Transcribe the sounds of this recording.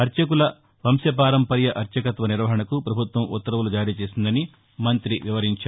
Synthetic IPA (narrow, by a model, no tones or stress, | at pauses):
ɐɾt͡ʃɐk̬ulɐ | ʋɐmsjɐp̬aːɾɐmpɐɾjɐʔɐɾt͡ʃɐkɐt̪ʋɐniɾʋɐɦɐɳɐkupɾɐbʱut̪ʋɐmut̪ːɐɾɐʋulud͡ʒaːɾiːt͡ʃeːsind̪ɐni | mɐnt̪ɾiʋiʋɐɾiɲt͡ʃaː